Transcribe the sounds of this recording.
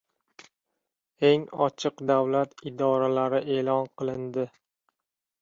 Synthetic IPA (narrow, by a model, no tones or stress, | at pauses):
e̞ŋɒt͡ʃʰɨqd̪awlat̪ɪd̪ɒɾalaɾɪʔe̞lˠɒnqʰɨlˠɪnd̪ɪ